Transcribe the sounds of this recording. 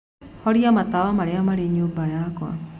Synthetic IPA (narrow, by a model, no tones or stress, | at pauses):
hɔɽiamat̪awamaɽeamaɽeɲobajakɔa̰